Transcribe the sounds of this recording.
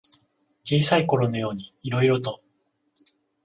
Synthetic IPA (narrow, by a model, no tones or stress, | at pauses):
t͡ɕiːsaiko̞ɾo̞no̞jo̞ːɲ̟iːɾo̞iɾo̞t̪o̞